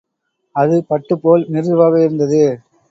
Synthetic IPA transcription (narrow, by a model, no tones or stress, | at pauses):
ɐðɯpɐʈːɯpːoːlnɪɾɯʋaːɣɐɪɾɯnd̪ɐðɯ